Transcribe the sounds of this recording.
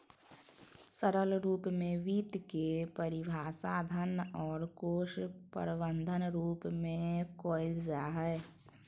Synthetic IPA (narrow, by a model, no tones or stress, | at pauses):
səɾəlɾuːpmẽʋiːt̪kepəɾɪbʱaːsaːd̪ʱənɔːɾkoːʃpə̰ɾbənd̪ʱənɾuːpmẽkoːɪld͡ʒaɦɛː